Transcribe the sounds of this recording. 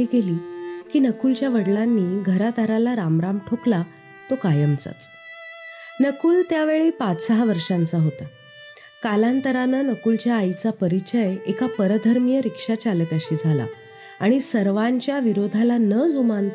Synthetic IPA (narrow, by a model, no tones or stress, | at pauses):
iːɡeliːkiːnəkult͡ɕjaʋəɽlanːiːɡʱəɾat̪aɾalaɾamɾamʈʰokla | t̪okajəmt͡sa̰t͡s | nəkuːlt̪jaʋeɭiːpat͡ssəɦaʋəɾʂãnt͡saɦot̪ə | kalant̪əɾanənəkult͡ɕjaːit͡sapəɾit͡ɕəjekʰapəɾəd̪ʱəɾmjəɾikʂat͡ɕalət̪jaɕiːd͡zʱala̰ | aɽ̃isəɾʋaɲt͡ɕjaʋiɾod̪ʱalanəd͡zumant̪